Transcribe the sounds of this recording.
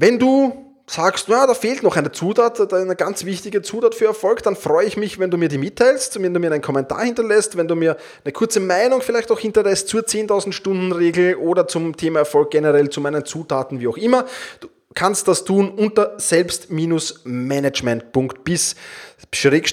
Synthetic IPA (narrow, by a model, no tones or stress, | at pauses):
vɛnduː | saːkstjaːdaːfeːltnɔχæɪnət͡suːtʰaːtdanəɡant͡sv̥ɪçtɪɡət͡suːtaːtfyːɐɛɐfɔlkd̥anfʁ̥ɔʏəɪçmɪçvɛnduːmiːɐdiːmɪtʰːaɪlstvɛnduːmiːɐæɪnkʰɔmɛntʰa̰ːɐhɪntɐlɛstvɛnduːmiːɐ | nəkʰʊɐt͡səmaɪnʊŋfɪlæɪçtaʊxhɪntɐlɛst̚t͡suːɐt͡seːntʰaʊzn̩tʃtʊ̃ndn̩ʁeːɡl̩ʔoːdɐt͡sʊmtʰeːmaɛɐfɔlk̚ɡ̥ɛnəʁɛlt͡sumæɪnənt͡suːtʰaːtn̩viːaʊxɪmɐd̥uː | kʰanst̚d̥astʰuːnʔʊntɐz̥ɛlpstmiːnʊsmɛnəd͡ʒmɛnt̚pʊŋktb̥ɪs | ʃʁeːk